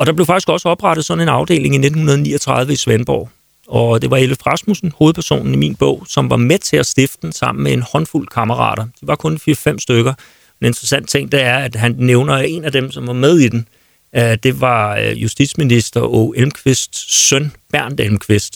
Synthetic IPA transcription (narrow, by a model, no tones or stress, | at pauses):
ɒ̽d̥ɑb̥le̝fɑ̈ɡ̥isɡ̥ɒ̽sə̥ɒ̽b̥ʁɑ̈ɾ̥ð̞̩ˠsɒ̽ne̝nɑ̈ʊd̥e̝̰ːle̝ŋine̝d̥n̩hunɐð̞̩ˠnḭːɒt͡sʰʁɑ̈ð̞ˠʋəisʋenb̥ɒ̰ʊ̰ | ɒ̽d̥e̝ʋɑ̈e̝ləfʁɑsmusn̩ho̝ːðˠpʰæɐso̝̰ːnn̩imḭnb̥ɔ̰̽ʊ̰sɒ̽mʋɑ̈met͡sʰe̝æsd̥e̝fd̥ə̥d̥en̩sɑ̈m̰n̩mee̝nhɒ̽nful̰kʰɑmɐʁɑ̰̈ːɾ̥ɐd̥iʋɑ̈kʰɔ̽nfiɐfem̰sd̥øɡ̥ɐ | ene̝nd̥ʁɐsæn̰d̥t͡sʰe̝ŋ̰̥d̥eæɐæd̥ɦænneʊnɐe̝næd̥emsɒ̽mʋɑ̈með̞ˠid̥en | d̥e̝ʋɑ̈jusd̥id̥sminisd̥ɐoelmkʰʋe̝sd̥sœnb̥æɐ̰nd̥elmkʰʋe̝sd̥